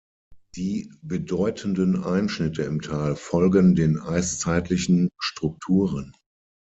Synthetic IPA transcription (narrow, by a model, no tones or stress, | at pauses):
d̥iːbədɔʏtʰəndənʔaɪnʃnɪtʰəɪmtʰaːlfɔlɡəndeːnʔaɪst͡saɪtʰlɪçn̩ʃtʁ̥ʊk̚tʰuːʁən